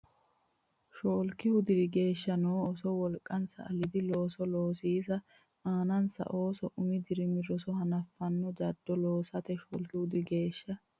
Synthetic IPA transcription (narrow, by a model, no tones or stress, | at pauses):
ʃoːlkɪhʊd̪ɪɾɪɡe̞ːʃːɐnoːɔsɔwɔlkʼːɐnsɐ̰ːlɪd̪ɪlo̞ːsɔloːsiːs̬ɐ | aːnɐnsɐ̰ʔo̞ːsɔʔʊmɪd̪ɪɾɪmɪɾɔsɔhɐnɐfːɐnːɔd͡ʒɐd̪ːɔloːsɐt̪ɛʃo̰ːlkɪhʊd̪ɪɡe̞ːʃːɐ